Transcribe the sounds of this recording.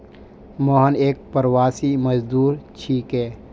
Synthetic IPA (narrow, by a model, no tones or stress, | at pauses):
mɔːɦəneːk̚pəɾwaːsiməd͡ʒd̪uːɾt͡ʃʰiːkɦɛː